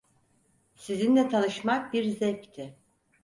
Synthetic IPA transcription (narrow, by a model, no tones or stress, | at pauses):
sizind̪ɛt̪ʰanɯʃmak̚biɾzɛct̪ʰɪ